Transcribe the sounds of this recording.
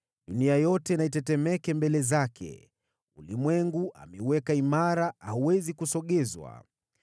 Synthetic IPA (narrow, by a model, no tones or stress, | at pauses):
ɗuniajɔtɛnaitɛtɛmɛkɛmbɛlɛzakʰɛ̰ | ulimwɛŋɡuʔa̰mɛuwɛkaimaɾaahuwɛzikusɔɠɛzwa̰